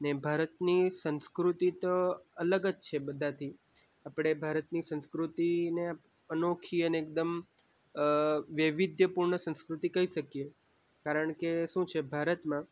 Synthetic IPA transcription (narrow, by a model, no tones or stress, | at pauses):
nebʱaɾət̪nisə̃nskɾut̪it̪oələɡəd͡ʒt͡ʃʰebəd̪ʱãt̪ʰi | apɽ̃ebʱaɾət̪nisə̃nskɾut̪inea | ənokʰiəneːk̚d̪əm | ʋjəʋid̪ʱjəpuɾɳəsə̃nskɾut̪ikəɦiʃəkje | kaɾəɳkeʃũt͡ʃʰebʱaɾət̪mã